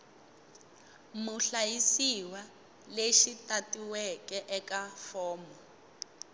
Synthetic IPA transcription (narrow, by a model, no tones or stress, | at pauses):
muɬajisiwa | leʃitatiwɛkɛʔɛkafɔːmɔ